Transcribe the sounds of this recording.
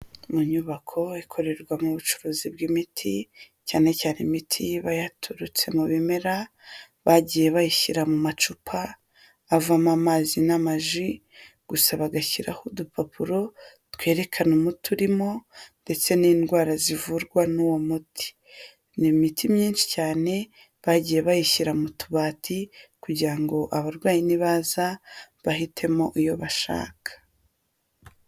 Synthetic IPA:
muɲuβakʰo̞ikʰo̞ɾe̞ɾɡwamuβut͡ʃu̥ɾuːzib̚ɡimitʰi | caːne̞caːnemitʰiβajatʰuɾut͡se̞muβime̞ɾa | βaɟije̞βajiçiɾamumat͡ʃupʰaː | vamamazinamaʒi | ɡ̥usaβaɡaçiɾa̰hodupʰapʰuɾo̞ | twe̞ːɾe̞kʰanumutuɾimo̞nde̞t͡se̞niːndɡwaːɾazivuɾɡwanuwomutʰi̥ | nimitimɲiːnʃi̥caːne̞ | βaɟije̞βajiçiɾamutuβaːtʰikuɟiɾaŋɡo̞ʔaβaɾɡwaːjiniβaːzaβaɦitʰe̞mo̞ʔijo̞βaʃa̰ːkʰḁ

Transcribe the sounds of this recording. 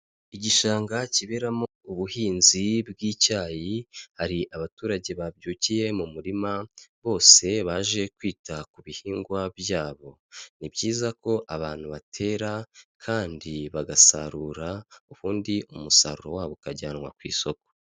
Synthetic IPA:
iɟiʃaːŋɡaciβe̞ɾamouβuhiːnzibɡiːcaːjihaɾiʔaβatuːɾaɟe̞βabɟuːcije̞mumuɾimaβo̞ːse̞βaːʒe̞kwiːtakuβihiːŋɡwabjaːβo̞ | nibɟiːzako̞ʔaβaːn̥huβatʰe̞ːɾakʰaːndiβaɡasa̰ɾuːɾauβuːndiumusa̰ɾuɾo̞waːβokaɟaːnwa̰kwḭːso̞ko̥

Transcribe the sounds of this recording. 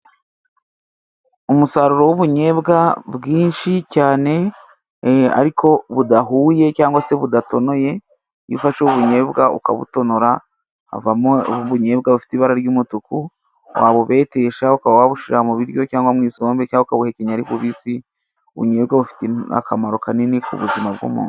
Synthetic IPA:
umusaɾuɾo̞wuβuɲe̞ːbɡabɡiːnʃicaːne̞ | a̰ɾikʰo̞βudaɦuːje̞caːŋɡwase̞βudato̞no̞je̞ | jufaʃuβuɲe̞ːβɡaṵka̰βṵto̞noɾa̰ː | vamoβuɲe̞ːbɡaβufi̥tiβaɾaɾjuːmutuku | wʔa̰ːβoβe̞ːte̞ːʃaukaβawaβuʃiɾamuβiɾjo̞caːŋɡwamŋiːso̞ːmbecaːŋɡukaβuheceɲaɾiβuβisi | uβṵɲe̞ːbɡaβufi̥tea̰kʰamaɾo̞kaninekṵβṵzimaβɡṵmṵːn

